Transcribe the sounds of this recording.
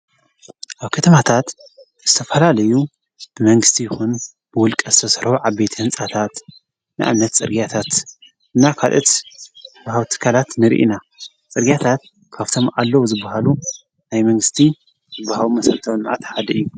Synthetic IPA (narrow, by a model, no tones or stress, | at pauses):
ʔaβkʰɐt̪ʰɐmat̪ʰat̪ | z̥ɨt̪ʰɐfɐlalɐju | b̥ɨmɐŋɡɨst̪ʰijɪxun | b̥ɨwʊlkʼɐzɨt̪ʰɐsɾhuʕaβbet̪ʰihɨnt͡sʼat̪ʰat̪ | nɨ̰ʔa̰mnɐt̪t͡sʼɨ̰ɾɡijat̪ʰat̪ | ʔɨnːakʰalʔot̪bhawt̪ʰɨ̥kʰːalat̪nɨɾḭʔḭna | t͡sʼɨɾɡijat̪ʰat̪̚ | kʰaβt̪ʰo̞mʔalːɐwuzɨbːahalu | najmɐŋɡɨst̪ʰi | zɨbːahalumɐsɐlt̪ʰɐwnmaʕat̪ħad̪ɐɨjːu